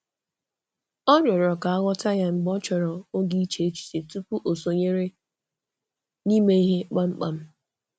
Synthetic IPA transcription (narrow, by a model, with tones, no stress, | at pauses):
ɔ˦ɾɔ˨ɾɔ˨ka˨a˦ɣɔ˦ta˦ja˦ŋ͡m̩˨ɡ͡bɔ˦t͡ʃɔ˨ɾɔ˨o˦ɡi˦i˦t͡ʃe˦e˦t͡ʃi̥˨te˨tu˦pu˦ʔo˨so˨ɲe˦ɾe˦ | ni˦me˦i˦ɦe˦k͡pa˦ŋ͡m̩˦k͡pa˦m̩˦